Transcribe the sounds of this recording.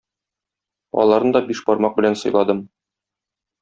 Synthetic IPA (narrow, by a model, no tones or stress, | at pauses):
ɒ̰lˠɑɾd̪ɒbiʃbɒɾmɑq̚bɘ̆lænsɤ̆jlˠɑd̪ɤm